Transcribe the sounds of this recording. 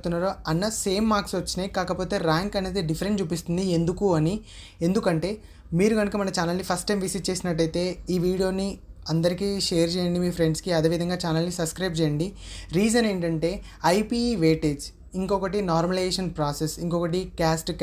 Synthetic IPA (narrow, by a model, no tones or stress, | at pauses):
t̪unːaːɾoɐnːɐse̞ːmːaːɾksʋɐt͡ʃːineːkaːkɐpo̞ːt̪e̞ːɾaːŋkɐne̞ːd̪eɖipʰɐɾenʈt͡ʃuːpist̪und̪ie̞nd̪ukuɐni | e̞nd̪ukɐɳʈe̞ː | miːɾuɡɐnukɐmɐnɐt͡ʃaːnɐlːipʰɐsʈːɐjmʋisiʈ̚t͡ʃe̞ːsinɐʈːɐjt̪e̞ːiːʋiːɽijo̞ːniɐnd̪ɐɾikiːʃeːjɐɾt͡ʃɛːjɐɳɖimiːpʰɾe̞ɳɖskiɐd̪eːʋid̪ʱɐŋɡaːt͡ʃaːnɐlːisɐpskɾɐjb̚t͡ʃɛːjɐɳɖiɾiːd͡ʒɐne̞ːɳʈɐɳʈe̞ː | ɐjpiːʋeːʈeːd͡ʒ | iŋkɔkɐʈinaːɾmɐlieːʃɐnpɾaːsesiŋkɔkɐʈ̬ikaːsʈk